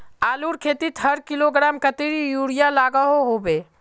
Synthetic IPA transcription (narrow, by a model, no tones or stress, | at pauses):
aːluɾkʰeːt̪it̪ɦɐɾkɪloɡɾaːmkət̪iɾijuːɽijalaːɡəɦoɦoːbeː